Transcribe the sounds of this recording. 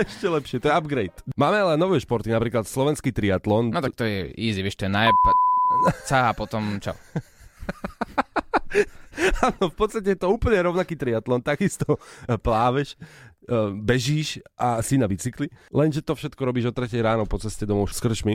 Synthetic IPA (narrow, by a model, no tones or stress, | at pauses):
ɛʃcɛlɛpʃɪɛt̪ɔjɛabɡɾɛjt̪maːmɛalɛnɔʋɛːʃpɔɾt̪inapɾiːklat̪slɔʋɛnskiːt̪ɾiat̪lɔnnɔt̪ak̚t̪ɔjɛiːziʋɛʃt̪ɔjɛnajp | t͡saapɔt̪ɔmt͡ʃɔ̰ | aːnɔfpɔt̪t͡sst̪acɛjɛt̪ɔuːpl̩ɲɛɾɔʊnakiːt̪ɾiat̪lɔnt̪aɡist̪ɔplaːʋɛʃ | bɛʒiːʃʔasinaʋit͡siklilɛnʒɛt̪ɔfʃɛt̪kɔɾɔbiːʒɔt̪ɾɛcɛjɾaːnɔpɔt͡sɛscɛd̪ɔmɔʊskr̩ʃmi